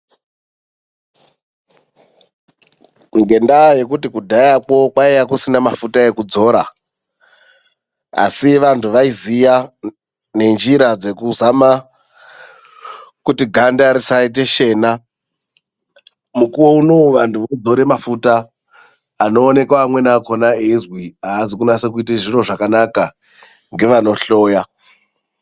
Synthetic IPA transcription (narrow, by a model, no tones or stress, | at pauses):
ŋɡe̞ndaje̞k̬utikudʱajako̞kwaijakusinamafutae̞kud͡zo̞ɾa̰ | a̰siʋantʰuʋaizija | ne̞nd͡ʒiɾad͡ze̞kuzama | kutiɡʱandaɾisait̬e̞ʃe̞ːna | mukuwo̞uno̞ʋantʰuʋod͡zo̞ɾe̞mafutaː | no̞ːne̞kwaːmwe̞naːko̞naezwiaːzikunase̞k̬uiteʐiro̞ʐakanaka | ŋɡe̞ʋano̞ɬo̞ːja